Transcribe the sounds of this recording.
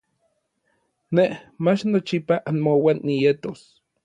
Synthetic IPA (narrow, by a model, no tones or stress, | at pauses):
nehmat͡ʃnot͡ʃipaʔanmowanːijet̪os